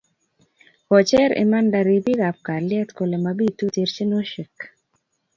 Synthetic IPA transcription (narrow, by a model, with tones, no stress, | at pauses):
kɔ˨t͡ʃɛ˦ɾḛ˨ma˦nda˧˨ɾi˨˦bi˦ɡa˨p̚ka˨rlɪ˦ɛ˦t̪ko˨le˨mabi˦tu˦te˧ɾt͡ʃe˦no˦ʃi˨k